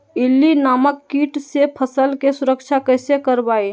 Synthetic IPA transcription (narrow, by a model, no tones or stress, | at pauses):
ɪlːinaːməkːiːʈsepʰəsəlkesʊɾəkʃʰakɛːsekəɾbaːe